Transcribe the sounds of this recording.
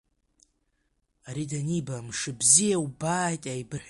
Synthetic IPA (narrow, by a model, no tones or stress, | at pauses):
aɾidanibamʂɨbzijawubaːjtʼajbɨħ